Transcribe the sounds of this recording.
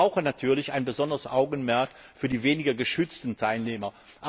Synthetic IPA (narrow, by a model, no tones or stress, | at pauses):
aʊxənatʰyːɐlɪçaɪnbəzɔndəʁəsʔaʊɡn̩mɛɐkfyːɐdiːveːnɪɡɐɡəʃʏt͡stn̩tʰaɪlneːmɐ | ʔa